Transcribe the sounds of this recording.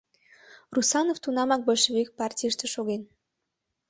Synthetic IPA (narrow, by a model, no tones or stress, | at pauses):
rusɑnoft̪unɑmɑk̚bɤʃβyk̚pɑrtʲiʃt̪ĕʃoɣen